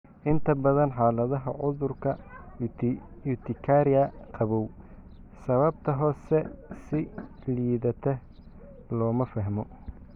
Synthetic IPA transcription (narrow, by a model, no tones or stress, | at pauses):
ʔɪnt̪ʰɐbɐðɐnħaːlɐðɐɦɐʕʊðʊrkʰɐ | ut̪ʰɪkʰaɾɪjɐqʰɑβɔw | sɐβɐb̚t̪ʰɐɦɔːsɛsɪ | liːðɐt̪ʰɛ | lɔːmɐfɐɦmɔ